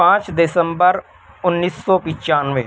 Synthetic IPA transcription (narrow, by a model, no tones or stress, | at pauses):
ãːt͡ʃd̪ɪsə̃mbəɾ | ʊnːiːsːɔːpɪ̃t͡ʃaːnʋeː